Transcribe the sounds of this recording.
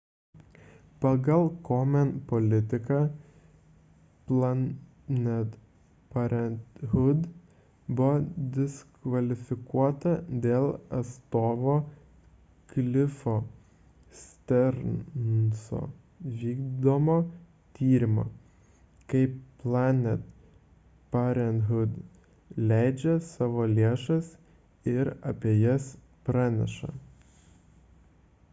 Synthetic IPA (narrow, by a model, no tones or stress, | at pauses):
pɐɡɐlˠkomʲɛnpɔlʲɪt̪ʲɪkɑ | plˠɐ | nʲɛt̪ | pɐɾʲɛnt̪hʊd̪ | bʊd̪ʲɪskʋɐlʲɪfʲɪkuɔt̪ɐd̪ʲeːlˠɐst̪oːʋoː | ɡ̥lʲɪfo | st̪ʲɛɾnnsɔ̰ | ʋʲiːɡd̪omɔ | t̪ʲʰiːɾʲɪmo̰ | kɐɪplˠɑːnʲɛt̪ | pɑɾʲɛnɦʊd̪ | lʲæɪd͡ʒʲɛsɑːʋoːlʲeɛʃɐs | ɪɾɐpʲejɛs | pɾɑnʲɛ̰ʃɐ̰